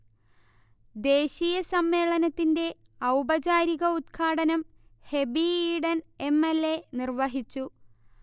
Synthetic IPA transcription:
d̪e̞ːɕijɐsɐmːe̞ːɭɐnɐt̪ːinde̞ | ɐwbɐd͡ʑaːɾiɣɐut̪kʰaːɽɐnɐm | he̞biiːɽɐnemːelːenirʋɐɦit͡ɕːu

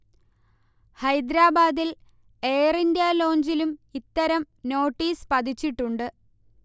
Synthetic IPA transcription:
hɐjd̪ɾaːbaːd̪il | e̞ːrindjalo̞ːɲd͡ʑilumit̪ːɐɾɐm | no̞ːʈːiːspɐd̪ʱit͡ɕːiʈːuɳɖɨ

